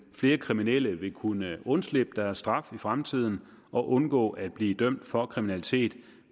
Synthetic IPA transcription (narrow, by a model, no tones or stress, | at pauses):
fle̝ːɐkʰʁiminel̰əʋe̝kʰunəɔ̽nsleb̥əd̥æɐsːd̥ʁɑ̈fifʁamt͡sʰið̞̰ˠn̩ | ʔɒ̽ʔɔ̽nɡ̥ɔ̰̽ːʔæd̥̚b̥liːd̥œm̰d̥fɒ̽kʰʁiminælit͡sʰe̝̰ːd̥